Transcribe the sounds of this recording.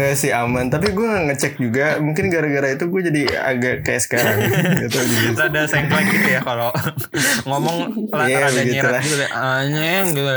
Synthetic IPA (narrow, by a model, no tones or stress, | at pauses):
asiamant̪ap̬iɡuaŋaŋət͡ʃɛk̚d͡ʒuɡamuŋkɪnɡaɾaɡaɾait̪uɡuad͡ʒadia̰ɡakajaʔsə̥kaɾaŋɡit̪uɡiadasaŋlakit̪ujakalo | ŋomɔŋaljabəɡit̪ulahulaɲɛŋɡit̪u